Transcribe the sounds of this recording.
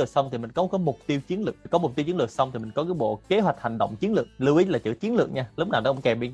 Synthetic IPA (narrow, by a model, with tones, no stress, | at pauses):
ɨ˨˩ək̚sa˧wŋ͡mt̪ʰi˨˩mï˨˩ŋ̟kɔ˨˦kɔ˨˦mʊ˨˩k͡p̚t̪i˧wt͡ɕi˨˦ənlɨ˨˩kkɔ˨˦mʊ˨˩k͡p̚t̪i˧wt͡ɕi˨˦lɨ˨˩əsa˧wŋ͡m̪t̪i˨˩mï˨˩ŋ̟kɔ˨˦kaː˨˦jɓo̰˧˨ke˨˦ɦwa˨˩jk̟̚ha̰˨˩ŋ̟ɗə̰˧˨wŋ͡mt͡ɕi˨˦nlɨ˨˩ək̚lɨ˧wʔi˨˦laː˨˩t͡ɕɨ̰˧˩t͡ɕi˨˦ənlɨ̰˨˩ək̚ɲaː˧lʊ˦˥k͡p̚naː˨˩nɔ̰˨˦˧ŋ͡mkɛ˨˩ɓi˧